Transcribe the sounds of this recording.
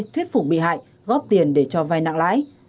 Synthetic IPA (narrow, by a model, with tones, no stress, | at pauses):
t̪ʰwi˦˥ət̚fʊ˨˩k͡p̚ɓḭ˧˨ɦa̰ː˧˨j | ɣɔ˦˥p̚t̪i˨˩ənɗe˧˩t͡ɕɔ˧vaː˧jna̰ː˧˨ŋla̰ː˧˥j